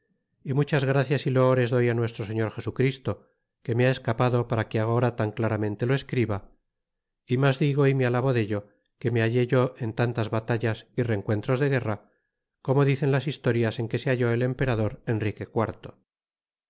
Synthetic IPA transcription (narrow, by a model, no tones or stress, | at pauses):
imut͡ʃazɣɾaθjasilo̞oɾe̞zðo̞janwe̞st̪ɾos̬e̞ɲo̞ɾxe̞sukɾist̪o̞ | ke̞meae̞skapaðo̞paɾakeaɣoɾat̪aŋklaɾamẽ̞nt̪e̞loe̞skɾiβa | imazðiɣ̞o̞imealaβo̞ðe̞ʎo̞ | ke̞me̞aʝe̞ʝo̞ʔe̞nt̪ant̪azβat̪aʎasire̞ŋkwe̞nt̪ɾo̞zðe̞ɣe̞ra | ko̞mo̞ðiθe̞nlasist̪o̞ɾjase̞ŋke̞seaʝo̞e̞le̞mpe̞ɾaðo̞ɾe̞nrike̞kwaɾt̪o